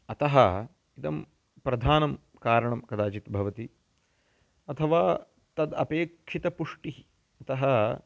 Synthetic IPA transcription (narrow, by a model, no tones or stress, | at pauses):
ɐt̪ɐɦɐ | it̪ɐm | pɾɐd̪ʱaːnɐm | kaːɾɐɳɐmkɐd̪aːt͡ʃit̪bʱɐʋɐt̪i | ɐt̪ʰɐʋaː | t̪ɐd̪ɐ̰peːkʂit̪ɐpuʂʈii | ɐt̪ɐɦɐ